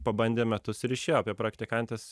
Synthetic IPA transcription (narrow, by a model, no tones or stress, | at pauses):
pɐbɐnʲd̪ʲeːmʲɛt̪ʊsɪɾɪʃʲeːjoɐpʲiɛpɾɐkt̪ʲɪkɐnʲt̪ʲeːs